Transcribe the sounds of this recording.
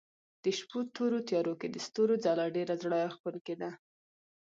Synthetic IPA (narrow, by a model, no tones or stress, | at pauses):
d̪̥əʃput̪oɾot̪jɑɾoked̪əst̪oɾod͡zalɑɖeɾazɽɑjaxpəlked̪a